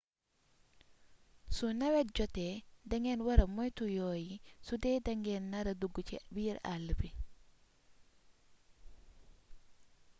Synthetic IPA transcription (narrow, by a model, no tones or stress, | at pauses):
sunawɛt̚d͡ʒɔtɛdaŋɡɛnwaɾamɔjtujojisudɛdaŋɡɛnːaɾaduɡut͡ʃḭbiːɾa̰lːəbi